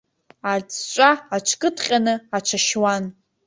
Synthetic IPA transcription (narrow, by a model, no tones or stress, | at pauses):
at͡st͡ʃʷʼaaʈ͡ʂʷʰkʼɨtʰχʲʼanɨat͡ʃʷʰaʃwan